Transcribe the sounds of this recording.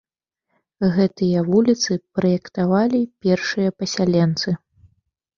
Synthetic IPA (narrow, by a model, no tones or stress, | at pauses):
ɣɛt̪ɨjɐvulʲit̪sɨpɾɐjɛkt̪avalʲipʲɛrʂɨjɐpɐsʲalʲɛnt̪sɨ